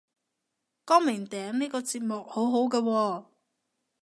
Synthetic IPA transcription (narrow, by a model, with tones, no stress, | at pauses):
kɔː˥ŋmɪ˨˩ŋt̪ɛː˨˥ŋniː˥kɔː˧t͡siː˧p̚mʊ˨k̚ho˨˥wɦo˨˥wkɛː˧wɔː˧